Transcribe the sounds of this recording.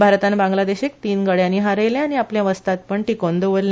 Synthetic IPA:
bʱaɾt̪anbãŋɡlad̪eɕek̚t̪iːnɡəɽjãniɦaɾəjlẽaɽ̃iapljaʋəst̪at̪̚pəɳʈikond̪oʋəɾl

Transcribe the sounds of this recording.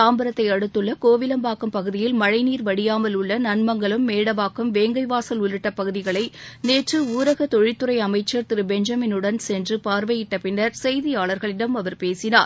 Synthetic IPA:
aːmbɐɾɐt̪ːɐɪɐɽɯt̪ːɯɭːɐkoːʋɪlɐmbaːkɯmpɐɣɯðɪjɪlmɐɻɐɪniːɾʋɐɽɪjaːmɐlʊɭːɐnɐnmɐŋɡɐɭɯmːeːɽɐʋaːkɐmʋeːŋɡɐɪʋaːsɐlʊlɯʈːɐpɐɣɯðɪɣɐɭɐɪneːʈrɯuːɾɐɣɐt̪ɔɻɪt̪ːɯɾɐɪɐmɐɪt͡ʃːɐɾt̪ɪɾɯbɛɲd͡ʒɐmɪnɯɽɐnsɛndrɯpaːɾʋɐjɪʈːɐpːɪnːɐɾsɛjðɪjaːɭɐɾɣɐɭɪɽɐmɐʋɐɾpeːsɪnaːɾ

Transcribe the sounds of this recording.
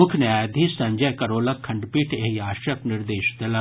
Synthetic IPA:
ʊkʰnaːjd̪ʱisɐ̃ɲd͡ʒəjkɐɾoːlɐkʰːɐ̃ɳɖpiːʈʰeɦiaːʃəpnɪɾd̪eːʃd̪ela

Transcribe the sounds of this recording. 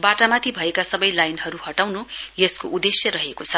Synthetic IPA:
baʈamat̪ʰibʱʌekasʌbʌjlajnɦʌɾuhʌʈawnujeskoʔud̪esjʌɾʌɦekot͡sʰʌ

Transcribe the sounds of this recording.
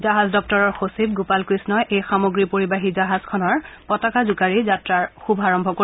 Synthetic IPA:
zaɦazdɔk̚tɔɹɔɹxosib̚ɡopalkɹisnɔjʔejxamoɡɹipoɹibaɦizaɦaz̥kʰɔnɔɹpɔtakazukaɹizatɹaɹxubʱaɹɔmbʱɔko

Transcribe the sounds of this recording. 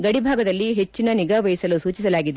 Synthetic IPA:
ɡɐɽibʱaːɡɐd̪ɐlːiɦet͡ʃːinɐniɡɐʋɐjisɐlusuːt͡ʃisɐlaːɡid̪e

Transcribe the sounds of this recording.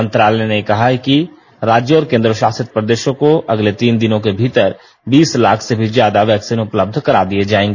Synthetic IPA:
ə̃nt̪ɾaːlɛnekɐɦaɛki | ɾaːd͡ʒjəɔːɾkẽːnd̪ɾəʃaːsɪt̪̚pɾəd̪eːʃõkoʔɐɡlet̪iːnd̪ɪnõkebʱiːt̪əɾ | biːslaːkʰsebʱizjaːd̪aʋɛːksiːnʊpləb̚d̪ʱkɐɾa̰d̪ied͡ʒaːẽːŋɡeː

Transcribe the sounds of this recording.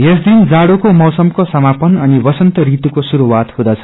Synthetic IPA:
jesd̪ind͡zaɽokomʌwsʌmkosʌmapʌnʌnibʌsʌnt̪ʌɾit̪ukosuɾuwat̪hũd̪ʌt͡sʰʌ̥

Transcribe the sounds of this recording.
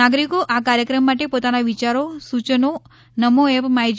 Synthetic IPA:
aɡɾikoʔakaɾjəkɾəmːaʈepot̪anaʋit͡ʃaɾosut͡ʃəno | nəmoepmaɦid͡ʒ

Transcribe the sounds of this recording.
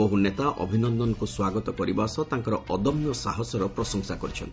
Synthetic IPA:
boɦunet̪aʔɔ̰bʱinɔnd̪ɔnɔkuswaɡɔt̪ɔkɔɾibasɔt̪ãŋkɔɾɔɔd̪ɔmjɔsa̰ɦɔsɔɾɔpɾɔsɔŋsakɔɾit͡ʃʰɔ̰nt̪i

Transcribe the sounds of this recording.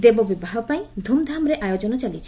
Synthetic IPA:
d̪ebɔbibaɦɔpaĩd̪ʱumd̪ʱamɾeʔajod͡ʒɔnɔt͡ʃalit͡ʃʰi

